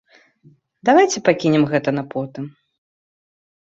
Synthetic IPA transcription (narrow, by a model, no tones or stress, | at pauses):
d̪avajt͡sʲɛpakʲinʲɛmɣɛt̪ɐnapɔt̪ɨm